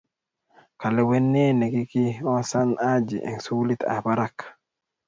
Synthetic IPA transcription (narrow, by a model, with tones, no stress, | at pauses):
ka˨lɛ˨wɛ˦nːɛ˦nɛ˨ki˦ki˦ɔ˦sa˦nad͡ʒḭ˨ʔɛ̰˨ŋsu˦li˦t̪a̰˨ba˦ɾa˦k